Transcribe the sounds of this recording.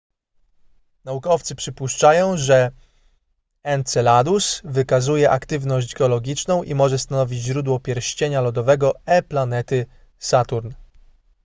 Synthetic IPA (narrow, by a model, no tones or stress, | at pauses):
naukɔft̪sɘpʂɘpuʂt͡ʂajɔ̃w̃ʐɛ | ɛnt̪sɛlad̪usvɘkazujɛʔakt̪ɘvnɔɕd͡ʑɡɛɔlɔɡʲit͡ʂnɔ̃w̃ʔimɔʐɛst̪anɔvʲid͡ʑʑɾud̪wɔpʲjɛɾɕt͡ɕeɲalɔd̪ɔvɛɡɔɛplanɛt̪ɘ | sat̪uɾn